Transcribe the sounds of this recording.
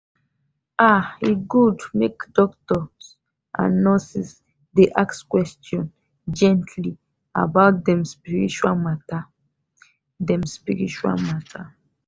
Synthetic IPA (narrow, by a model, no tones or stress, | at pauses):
aiɡudmekdɔktɔs | a̰nɔ̃sis | deʔakskwɛstjɔ̃n | d͡ʒɛ̃ntʰli | a̰baʊt̚dɛ̃mspiɹḭt͡ʃualmata | dɛ̃mspiɹḭt͡ʃua̰lmatʰa